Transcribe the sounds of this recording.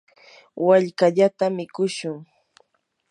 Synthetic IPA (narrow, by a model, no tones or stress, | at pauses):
waʎkaʎat̪amɪkʊʃʊŋ